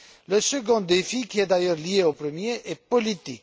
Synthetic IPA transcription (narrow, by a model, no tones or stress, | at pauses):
ləsəɡɔ̃d̪efikʲiɛd̪ajœʁlieopɾəmjeʔɛpɔlit̪ḭk